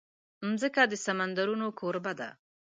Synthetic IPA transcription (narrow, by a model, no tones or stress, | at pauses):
mzəkad̪əsamand̪aɾunokʰoɾbad̪a̰